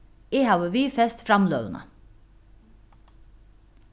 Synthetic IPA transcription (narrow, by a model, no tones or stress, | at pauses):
eːhɑːʋəʋiːfɛst̪fɾɑmlø̰ːʋənʔə̰